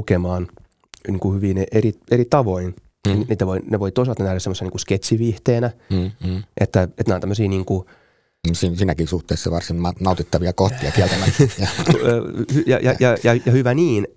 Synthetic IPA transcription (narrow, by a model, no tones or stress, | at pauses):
ukemɑːn | niːŋkuhyʋiːneʔerieɾit̪ɑʋoin | nniːt̪æʋoineʋoit̪oisɑlt̪ɑnæhɾæsemːoseniŋkusket̪ʲsiʋiht̪eːnæː | ʔet̪ːæet̪neont̪æmːøsiːniːŋku | sinsiːnækisuht̪ˑeːˑsːɑʋɑrsinmɑnɑˑut̪it̪ːɑʋiɑkoht̪iɑkiælt̪æmæɑ | hyjɑ̰jɑjɑjɑjɑhyʋæniːn